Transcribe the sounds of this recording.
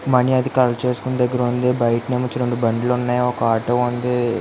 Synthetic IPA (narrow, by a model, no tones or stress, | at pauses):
mɐniɐd̪ikɐlɐt͡ʃe̞ːsu̥kund̪ɐɡːɐɾɐund̪ebɐjʈneːmut͡ʃːɐɾoɳubɐɳɖlounːaːjaɔkɐaːʈɐʋund̪e